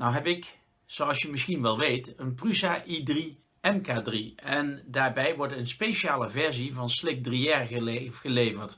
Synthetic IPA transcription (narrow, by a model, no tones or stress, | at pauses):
nawɦɛpɪk | soɑlˠsjəmɪsxinʋɛlˠʋejtənprysaːʔidri | ɛmkaːdriɛndaːɹbɛjʋɔɹtənspejʃaːləvɛɹzivɑnslɪk̚driɛɹəxəlejvəɹt